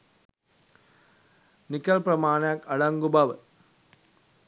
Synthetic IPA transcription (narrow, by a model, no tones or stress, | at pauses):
nikːɐlprɐmaːnaːkɐɽɐŋɡubɐʋ